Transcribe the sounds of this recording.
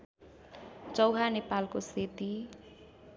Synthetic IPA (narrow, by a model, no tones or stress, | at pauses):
t͡sʌwɦanepalkoset̪i